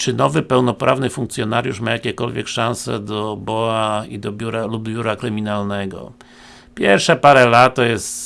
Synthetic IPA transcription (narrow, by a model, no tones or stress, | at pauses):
t͡ʂɘnɔvɘpɛwnɔpɾʔa̰vnɘfuŋk̚t̪sjɔnaɾjuʂmajakʲɛkɔlvʲjɛkʂãñsɛ̰d̪ɔbɔaḭd̪ɔbʲjuɾalubbʲjuɾakɾɘmʲinalnɛɡɔ̰ | pʲjɛɾfʂɛpaɾɛlat̪ːɔjɛst̪